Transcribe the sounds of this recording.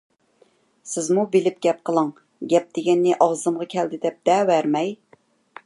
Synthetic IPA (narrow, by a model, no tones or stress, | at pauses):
sɪzmubɪlɪp̚ɡʲɛp̚qəlˠɨŋ | ɡʲɛp̚d̪̥eɡʲɛnːɪʔɑʁzɨmʁɑkʲʰɛld̪ɪd̪ɛp̚d̪̥ɛwæɾmɛj